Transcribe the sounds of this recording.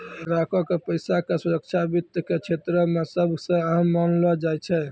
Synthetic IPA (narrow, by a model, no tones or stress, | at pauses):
ɾakʰɔkepəɪjsakesuɾək̚t͡ʃʰabit̪jəket͡ʃʰet̪ɾəmesəbʱsə̃əɦəmːanlɔd͡ʒajt͡ʃʰɛ